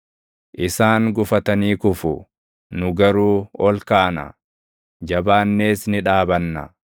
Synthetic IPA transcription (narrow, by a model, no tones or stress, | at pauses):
ʔɪsaːŋɡʊfɐt̪ɐniːkʊfʊ | nʊɡɐɾuːɔlkaːnɐ̰ | d͡ʒɐbaːnːe̞ːsnɪᶑaːbɐnːɐ̰